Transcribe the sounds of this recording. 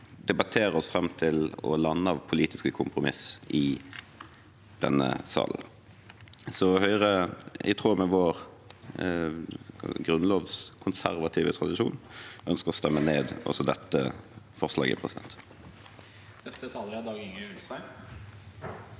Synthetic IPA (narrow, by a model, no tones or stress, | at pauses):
d̪ɛbɑt̪ʰeːɾəɔsfɾɛmt̪ʰɪlɔ̰lɑnːəɑʋpʰʊliːt̪ɪskəkʰʊmpʁʊmɪ̰sʔɪ | d̪̥ɛ̰nːə̰sɑ̰ːln̩ | sɔhœʏʁəɪ̰t̪ʰʁuːmɛʋoːʁ | ɡɾʉnloːʋskʰʊnsæ̰ʁʋɑt̪ʰiːʋət̪ʰʁɑd̪ɪʃuːnʔœnskəʁɔst̪ɛmːəneːd̪ʔɔ̰sɔd̪ɛt̪ːəfɔʁslɑ̰ːɡɪ̰pʰʁɛsɪd̪ɛ̰nt̪ | ɛsɛt̪ʰɑljəd̪ɑːɡɪŋəʉlsæɪ